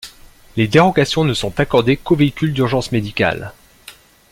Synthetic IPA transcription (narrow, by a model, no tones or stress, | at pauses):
led̪eʁɔɡasjɔ̃nəsɔ̃t̪akɔʁd̪ekoveikʲyld̪yʁʒɑ̃smed̪ika̰l